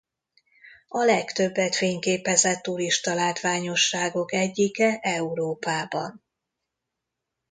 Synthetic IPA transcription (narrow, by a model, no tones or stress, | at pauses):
ɒlɛkt̪ø̞bːɛt̪feːɲkeːpɛzɛt̪ːuɾiʃt̪ɒlaːt̪ʋaːɲo̞ʃːaːɡo̞kɛɟːikɛʔɛuɾoːpaːbɒ̰n